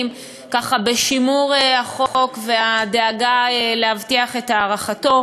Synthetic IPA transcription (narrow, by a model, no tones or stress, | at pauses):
m | kaχabe̞ʃimuʁehaχokve̞adeaɡaeleɦavtiaχe̞thaːʁaχato̞